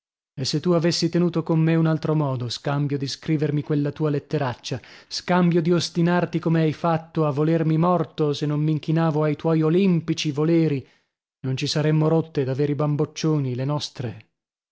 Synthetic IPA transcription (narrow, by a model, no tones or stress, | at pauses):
esːet̪ːuavesːit̪enuːt̪okomːeunalt̪ɾomɔːd̪oskambjod̪iskɾiːvermikwelːat̪uːalet̪ːeɾat͡ʃːaskambjod̪iost̪inart̪ikomeajfat̪ːoavːolermimɔrt̪osenːomːiŋkinaːvoajt̪wɔjolimpit͡ʃivoleːɾi | nont͡ʃisaɾemːoɾot̪ːed̪aveːɾibambot͡ʃːoːnilenɔst̪ɾe